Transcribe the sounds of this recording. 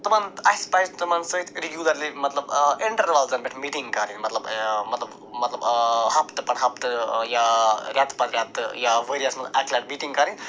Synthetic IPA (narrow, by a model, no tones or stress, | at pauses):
t̪ɐmanɐjspajzt̪ɐmɐnsəit̪ʰɾiɡjuːd̪ɐɾlimɐt̪lɐbiɳʈɐɾʋaːlzɐnbeʈʰmiːʈiŋɡkɐɾinmɐt̪lɐbmɐt̪lɐb | mɐt̪lɐbhɐpt̪ɨpɐɳɦɐp̚t̪jaɾjaːt̪pɐnɾʲjaːt̪jaʋeɾijɐsmɐaklʲaʈmiʈĩŋɡkɐɾin